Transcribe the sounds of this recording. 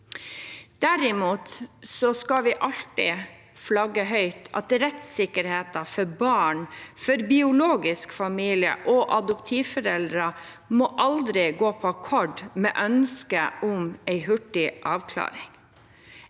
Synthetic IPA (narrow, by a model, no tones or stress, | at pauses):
d̪̥æɾɪmuːt̪sɔskɑʋɪʔɑlt̪ɪ | flɑɡːəɦœʏt̪ʰɑ̰t̪ɾɛt̪sɪkːəɾheːt̪ɑfɔɾbɑːɳfɔɾbɪʊloːɡɪskfɑmiːlɪə̰ʔɔʔɑd̪ʊpt̪ʰiːʋfɔɾɛld̪ɾɑ | mɔʔɑld̪ɾɪɡoːpʰɔɑkʰɔɖmɛ̰ːʔœnskəʔʊmɛɪɦʉʈːɪʔɑːʋkʰlɑ̰ːɾɪŋ